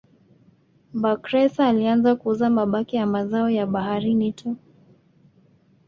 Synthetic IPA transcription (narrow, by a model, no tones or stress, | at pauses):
bakɾɛsaːlianzakuuzamaɓakijamazaɔjaɓaɦaɾinitʰu